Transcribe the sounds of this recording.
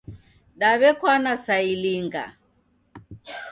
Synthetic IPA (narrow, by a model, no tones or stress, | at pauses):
ɗaβɛkwanasailiŋɡa̰